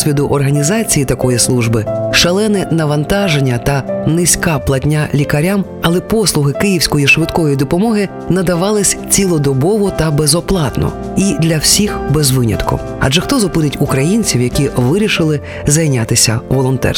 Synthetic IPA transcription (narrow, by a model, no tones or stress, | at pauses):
sʲʋʲid̪ʊʔɔrɦɐnʲizɑt͡sʲijit̪ɐkɔjislˠuʒbɪʃɐlˠɛnɪnɐʋɐnt̪ɑʒenʲːɐt̪ɐnɪsʲkɑplˠɐtʲnʲːalʲikɐɾʲam | ɐlˠɛpɔslˠʊɦɪkɪjiwsʲkɔjiʃʋɪd̪kɔɔjijd̪ɔpɔmɔɦɪ | nɐd̪ɐʋɑlˠɪsʲt͡sʲilˠɔd̪ɔbɔʋɔt̪ɐbezɔplˠɑt̪nɔ̰ | id̪lʲɐwsʲixbezʋɪnʲɐ̰t̪kʊ̰ | ɐ̰d͡ʒɛxt̪ɔzʊpɪd̪ɪtʲukɾɐjinʲt͡sʲiwjɐkʲiʋɪɾʲiʃɪlˠɪ | zɐjnʲat̪ɪsʲɐʋɔlˠɔnt̪ɛ̰